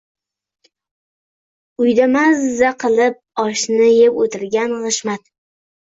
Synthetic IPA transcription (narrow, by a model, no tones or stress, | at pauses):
ʊjd̪amazːaqʰɨlˠɪp̚ɒʃnɪjepot̪ʰɪɾɡʲanʁɨʃmat̪